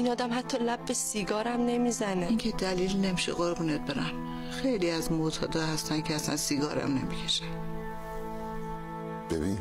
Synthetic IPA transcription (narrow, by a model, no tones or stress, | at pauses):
inɒːd̪æmhæt̪ʰːɒːlæbːesiɡɒːɾæmnemizæneiŋcʰed̪æliːlne̞miʃḛɣoɾbuːnet̪̚beɾæm | xe̞jliːæzmot̪ʰɒ̰ːd̪ɒːhæst̪æncʰeæsæ̰nsiɡɒːɾæ̰mne̞̰micʰe̥ʃe̥ | b̥ḛbin